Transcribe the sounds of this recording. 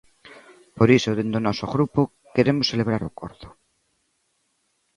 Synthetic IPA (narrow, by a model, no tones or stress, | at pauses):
poɾisoðend̪onɔsoɣɾupo | keɾemʊsseleβɾaɾokoɾðo̥